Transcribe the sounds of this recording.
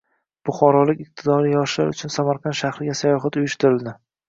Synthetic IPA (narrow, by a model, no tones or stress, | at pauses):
b̥ʊχɒɾɒlɪkʲɪq̚t̪ʰɪd̪ɒɾijɒʃla̰ɾʊt͡ʃʰʊnsamaɾqʰɑnʃaχɾɪɡʲasajɒɦat̪ʊjʊʃt̪ɪɾɪld̪ɪ